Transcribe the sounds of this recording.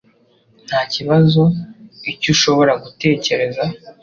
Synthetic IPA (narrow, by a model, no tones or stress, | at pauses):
n̥haːciβazo̞icuʃo̞βo̞ɾaɡute̞ːce̞ɾe̞za